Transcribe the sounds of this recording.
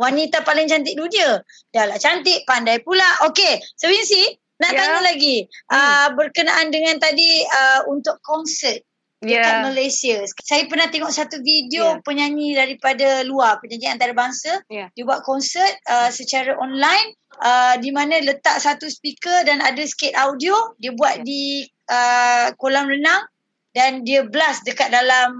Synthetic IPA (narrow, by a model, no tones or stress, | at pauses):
wanit̪apalɪŋt͡ʃant̪̬ɪʔ̚duniə | jalat͡ʃant̪ɪʔ̚pandajpulaokesəbinsi | naʔ̪aɲulaɡiʔəbərkənaʔandəŋãnt̪adiəunt̪ʊkɔnsət̪̚ | əkaməlesiəssajəpərnaht̪eŋɔʔsat̪uvidiopəɲaɲĩdaɾipadaluarpəɲãɲiant̪aɾabaŋsədiəbuaʔ̪̚kɔnsət̪̚əsət͡ʃaɾaʔɔnlajn | ədimanə̃lət̪aʔsat̪uspikədanadəsə̥ket̪̚awdiodiəbuat̪̚di | əkolaŋrənaŋ | dandiəbəlasdəkat̪̚dalam